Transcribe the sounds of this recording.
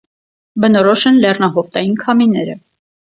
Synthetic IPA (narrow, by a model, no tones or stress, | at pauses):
bənɔɾɔʃɛnlɛrnɑɦɔft̪ɑjinkʰɑminɛɾə